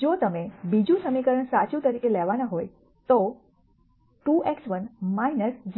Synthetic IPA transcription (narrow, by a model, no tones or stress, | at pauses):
d͡ʒot̪əmebid͡ʒũsəmikəɾəɳsat͡ʃũt̪əɾikelɛʋanãɦoj | t̪o | ʈuʔeksʋənmainəɾd͡ʒ